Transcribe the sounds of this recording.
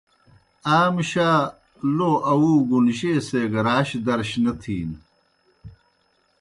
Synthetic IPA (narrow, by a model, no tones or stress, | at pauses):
aːmɕaː | loːʔɐwuːɡunɕeːseːɡɐɾaːɕd̪ɐɾɕnɐt̪ʰiːn